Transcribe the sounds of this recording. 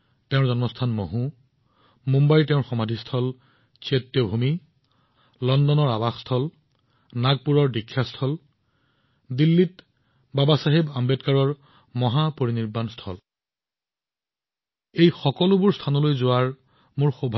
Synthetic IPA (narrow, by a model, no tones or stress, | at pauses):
tɛʊ̃ɹzɔnmɔstʰanmoɦũ | mumbajtɛʊ̃ɹxɔmadʱistʰɔl | setːjɔbʱumi | lɔndɔnɔɹabaxstʰɔl | naɡ̚puɹɔɹdikʰːjastʰɔl | dilːit | babasaɦibambɛtkaɹɔɹ | mɔɦapoɹiniɹbanstʰɔ̰l | ejxɔkɔlʊbʊɹstʰanɔlojzʊwaɹ | mʊɹxobʱ